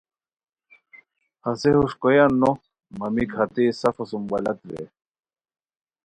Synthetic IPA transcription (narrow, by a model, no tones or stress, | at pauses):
hɐsehuʂkojɐnːo | mɐmikhɐt̪esɐfɐsumbɐlɐt̪ɾḛ